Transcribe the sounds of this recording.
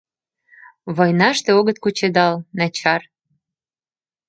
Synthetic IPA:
βojnɑʃt̪eoɣə̆t̪̚kut͡ɕed̪ɑlnɑt͡ɕɑr

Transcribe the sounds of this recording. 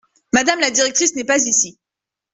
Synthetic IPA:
mad̪amlad̪iʁɛk̚t̪χisnɛpazisi

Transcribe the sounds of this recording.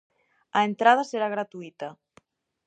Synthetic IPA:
aent̪ɾað̞aseɾaɣ̞ɾat̪uit̪a

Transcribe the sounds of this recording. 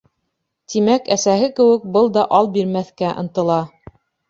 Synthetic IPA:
t̪imækæsæɦɘkɘ̆wɘ̆k̚bɤlˠd̪ɑʔɑlˠbiɾmæθkæʔɤ̆nt̪ɤ̆lˠɑ

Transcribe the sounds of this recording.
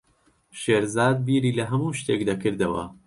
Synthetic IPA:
ʃeːɾzaːd̪̚biːɾiːlɐɦɐmuːʃt̪eːkd̪akɨɾd̪ɐwɐ̰

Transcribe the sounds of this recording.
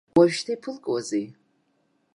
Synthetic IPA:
waʒʃtʰaipʰɨlkʼwazej

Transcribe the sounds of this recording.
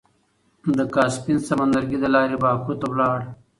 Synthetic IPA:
d̪əkɑːspinsamand̪aɾɡid̪əlɑːɾebɑːkut̪awlɑːɽ

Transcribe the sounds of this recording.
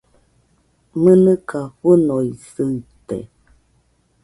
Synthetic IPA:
mənɨkahunoisɨt̪ḛ

